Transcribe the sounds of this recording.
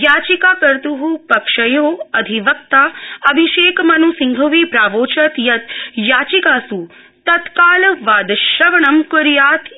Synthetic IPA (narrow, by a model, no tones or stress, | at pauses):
jaːt͡ʃikaːkɐɾt̪uɦupɐkʂɐjoːɐd̪ʱiʋɐk̚t̪aːɐbʱiʃeːkmɐnusiŋɡʱɐʋipɾaːʋoːt͡ʃɐt̪jɐt̪jaːt͡ʃikaːsu | t̪ɐt̪kaːlʋaːd̪ɐʃɐʋɐɳɐmkuɾjaːt̪